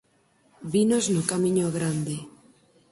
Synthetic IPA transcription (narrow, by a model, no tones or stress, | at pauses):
binoznʊkamĩɲoɣɾand̪ɪ